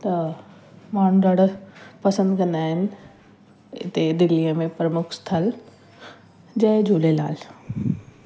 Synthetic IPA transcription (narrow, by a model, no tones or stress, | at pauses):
t̪ɐ | maːɽ̤̃ũɖɐɽpɐsə̃nd̪kɐ̃nd̪aːɦɪnɪ̆ | ɪ̰t̪ed̪ɪliəmẽpɾəmʊkʰst̪ʰəl | d͡ʑɐ̃ɦd͡ʑoːlela̰ːl